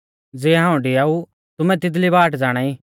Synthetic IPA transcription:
d͡zeːɦãːũɖɪaːu | t̪ʊmɛ̃t̪ɪd̪libaːʈd͡zaːɽ̃ãːiː

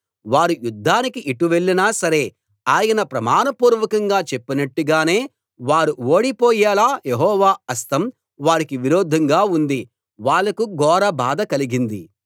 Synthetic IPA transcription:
ʋaːɾujud̪ʱːaːnikiʔiʈːuʋeɭːinaːsɐɾe̞ː | aːjɐnɐpɾɐmaːnɐpuːɾʋɐkɐŋɡaːt͡ʃe̞pːinɐʈːuɡaːne̞ː | ʋaːɾuoːɽipɔːjaːlaːjeɦɔːʋaːɐst̪ɐm | ʋaːɾikiʋiɾoːd̪ʱːɐŋɡaːund̪i | ʋaːɭːɐkuɡɔːɾɐbaːd̪ɐkɐliɡind̪ḭ

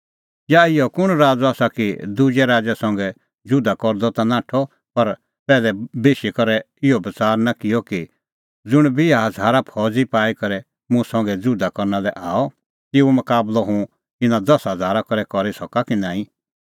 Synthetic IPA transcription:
jaɪjɔkʊɽ̃ɾaːd͡zɔaːsakid̪ʊd͡ʒɛɾaːd͡zɛsɐ̃ŋ̆ɡɛ | d͡zʊd̪ʱakɔɾd̪ɔt̪anãːʈʰɔ | pɐɾ | pɛːlɛbeːʃikɐɾɛ | ɪɔbɐt͡saːɾnakɪjɔki | d͡zʊɽ̃bijaɦɐd͡zʱaːɾapʰɔːd͡zipaːikɐɾɛ | mʊ̃sɐ̃ŋ̆ɡɛd͡zʊd̪ʱakɔɾnalɛʔaːɔ | t̪ɪumɐkaːblɔɦũ | ɪnãd̪ɐsɦɐd͡zʱaːɾakɔɾɛkɔɾisɔkakinãːĩ

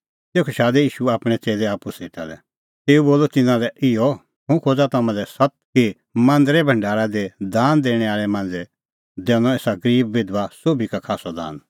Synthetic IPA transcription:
t̪eːkʰoʃaːd̪ɛjiːʃuaːpɽ̃ɛt͡seːlɛaːpuseːʈa̰lɛ̰ | t̪eːuboːlɔt̪ɪnãlɛʔɪɔ | ɦũkʰoːd͡zat̪amãɛsɐt̪̚ki | mãnd̪əɾɛbʱɐ̃ɳɖaːɾad̪ed̪aːnd̪eːɽ̃ɛ̃aːɭɛmãːnd͡zɛ | d̪ɛːnɔ̃eːsaɡɐɾiːbːɪd̪ʋasoːbʱikakʰaːsɔd̪a̰ːn

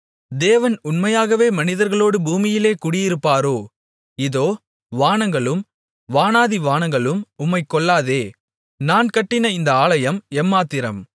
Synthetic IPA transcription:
d̪eːʋɐnʊnmɐjaːɣɐʋeːmɐnɪðɐɾɣɐɭoːɽɯbuːmɪjɪleːkʊɽɪjɪɾɯpːaːɾoː | ɪðoː | ʋaːnɐŋɡɐɭɯm | ʋaːnaːðiʋaːnɐŋɡɐɭɯmʊmːɐɪkːɔɭːaːðeː | naːnkɐʈːɪnɐɪnd̪ɐaːlɐjɐmɛmːaːt̪ːɪɾɐ̰m

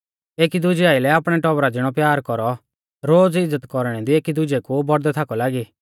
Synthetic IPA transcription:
eːkid̪ʊd͡ʒiaːɪlɛapɽ̃ɛʈɔbɾad͡ʒɪɽ̃ɔpjaːɾkɔɾɔ | ɾoːd͡zɪd͡zːət̪kɔɾɽ̃ɛd̪ieːkid̪ʊd͡ʒɛkubɔɽd̪ɛt̪ʰakɔlaːɡi

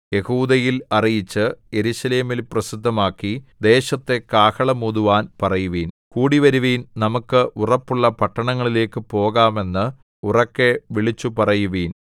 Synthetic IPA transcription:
je̞huːd̪ɐjilɐrijit͡ɕːɨje̞ɾuːɕɐle̞ːmilprɐsid̪ʱːɐmaːkːid̪e̞ːɕɐt̪ːe̞kaːkɐɭɐmuðuʋaːnpɐrɐjuʋiːn | kuːɽiʋɐɾuʋiːnnɐmukːɨʔurɐpːuɭːɐpɐʈːɐɳɐŋːɐɭile̞ːkːɨpo̞ːɣaːme̞nːɨ | urɐkːe̞ʋiɭit͡ɕːupɐrɐjuʋiːn

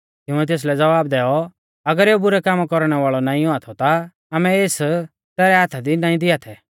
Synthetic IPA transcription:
t̪ɪʊ̃ɛt̪eːs̬lɛd͡zɐʋaːb̚d̪ɛːɔ | ɐɡəɾeːobʊɾɛkaːmkɔɾɽ̃ɛʋaːɭɔnaːĩɔat̪ʰɔt̪aː | mɛeːs | t̪ɛːɾɛɦaːt̪ʰad̪inaːĩd̪ɪat̪ʰɛ

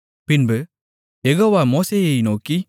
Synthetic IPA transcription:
pɪnbɯ | jɛɣoːʋaːmoːseːjɐɪnoːki

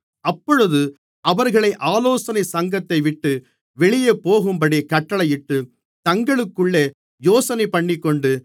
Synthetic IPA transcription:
ɐpːɔɻɯðɯ | ɐʋɐɾɣɐɭɐɪʔaːloːsɐnɐsɐŋɡɐt̪ːɐɪʋɪʈːɯ | ʋɛɭɪjɐpoːɣɯmbɐɽikɐʈːɐɭɐjɪʈːɯ | t̪ɐŋɡɐɭɯkːɯɭːeː | joːsɐnɐɪpɐɳːɪkːɔɳɖɯ

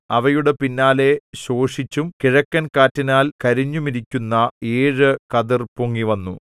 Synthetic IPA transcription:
ɐʋɐjuɽe̞pinːaːle̞ɕoːʂit͡ɕːumkiɻɐkːɐnkaːtːɐnaːlkɐɾiɲːumiɾikʲːunːɐeːɻɨkɐðirpuŋːiʋɐnːṵ

